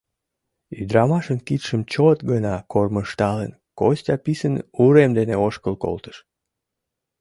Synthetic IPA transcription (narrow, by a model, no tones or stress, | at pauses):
yd̪ɾɑmɑʃənkit̪ʃəmt͡ɕot̪ɡənɑkorməʃt̪ɑlə̰nkosʲtʲɑpisənuɾemd̪eneoʃkəlko̰lt̪ə̥ʃ